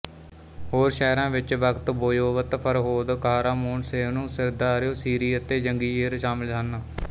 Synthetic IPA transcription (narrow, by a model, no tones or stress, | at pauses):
hoːɾʃɛːɾãːʋɪt͡ʃʋəkt̪boːjoːʋət̪pʰəɾɦoːd̪kaːɾaːmoːnseːʋnũːsɪɾd̪aːɾjoːsiːɾiːət̪eːd͡ʒəŋɡiːeːɾʃaːmɪld͡ʒaːna